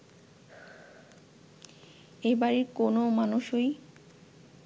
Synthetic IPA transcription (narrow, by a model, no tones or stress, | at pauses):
ejbaɾiɾkonomanuʃoj